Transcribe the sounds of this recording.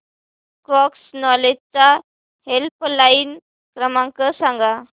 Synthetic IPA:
kɔksnɔlet͡sa | helplain | kɾəmãŋkəsãŋɡa

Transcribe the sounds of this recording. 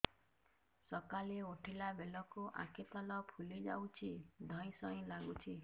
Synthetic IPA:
sɔkaleoʈʰilabelɔkuʔa̰kʰet̪alɔpʰulid͡ʒa̰wt͡ʃʰid̪ʱɔ̃j̃sɔĩlaɡut͡ʃʰi

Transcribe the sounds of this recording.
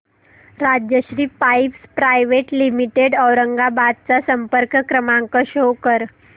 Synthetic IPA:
ɾad͡ʑjəɕɾiːpajpspɾajʋeʈlimiʈeɖəwɾəŋɡabad̪̚t͡sasəmpəɾkkɾəmaŋkəɕokəɾ

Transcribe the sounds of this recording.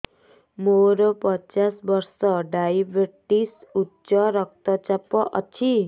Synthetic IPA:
moɾopɔt͡ʃasbʌɾsʌɖajibeʈisutːt͡ʃʌɾʌk̚t̪ɔt͡ʃapɔʔʌ̰t͡ʃʰi

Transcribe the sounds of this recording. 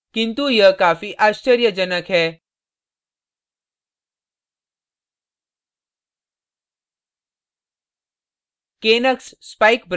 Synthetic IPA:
kɪ̃nt̪ujəkaːfiʔaːst͡ʃəɾjəd͡ʒənəkɦɛː | keːnəksspaːikbɾ

